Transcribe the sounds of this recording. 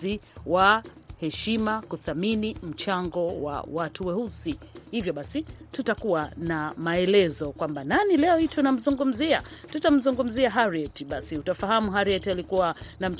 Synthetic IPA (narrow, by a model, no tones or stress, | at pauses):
iwahɛʃimakuθaminim̩t͡ʃaŋɡɔwa̰watuwɛhusihivjɔɓasitutakuwanamaɛlɛzɔkwambananilɛɔhitʰɔnam̩zuŋɡum̩ziatutam̩zuŋɡum̩ziaɦaɾiɛtiɓasiutafaɦamuɦaɾiɛtialikuwanam̩